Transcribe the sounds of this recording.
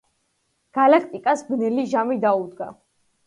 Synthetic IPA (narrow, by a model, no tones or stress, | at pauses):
ɡ̥alakʰt̪ʼikʼasbnɛliʒamid̪aud̪ɡa̰